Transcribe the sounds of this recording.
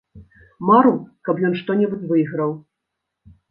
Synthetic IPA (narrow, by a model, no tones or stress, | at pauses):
maɾukɐpjɔnʂt̪ɔnʲɛbut͡sʲvɨjɣɾɐw